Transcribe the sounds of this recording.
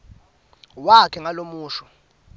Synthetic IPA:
wakʰɛŋalomuːʃɔ̥

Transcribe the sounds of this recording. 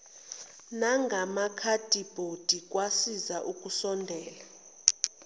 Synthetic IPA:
naŋɡʱamakʰad̥ʱib̥ʱod̥ʱik̬ʼwasizaʔuk̬ʼusɔndʱɛːla

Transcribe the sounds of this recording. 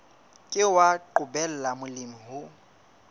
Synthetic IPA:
kʼɪwaǃʊbɛl̩lamʊlɪm̩ɦʊ

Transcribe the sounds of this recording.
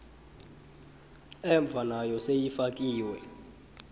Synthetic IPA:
ɛɱb̪vʱanajɔsejifak̬ʼiːwɛ

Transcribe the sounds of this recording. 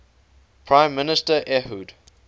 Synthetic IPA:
pʰɹãɪ̃mːɪnɪstəʔɛhud

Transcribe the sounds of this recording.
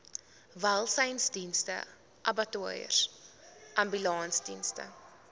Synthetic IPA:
valˠsɛjnsdinstə̰ | ʔɐbɐtuəjə̰r | ʔɐmbylɑːnsdinstə̰

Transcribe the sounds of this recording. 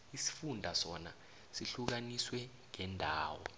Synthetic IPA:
isi̥fundʱasɔna̰ | siɬuk̬aniswɛ | ŋɛndʱaːwɔ̰

